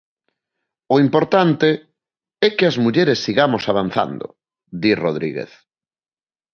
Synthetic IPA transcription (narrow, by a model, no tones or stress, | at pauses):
ʊimpoɾt̪ant̪e | ɛkɪazmuʎeɾesːiɣamosaβan̟θa̰nd̪ʊ̰ | d̪isroðɾḭɣḛθ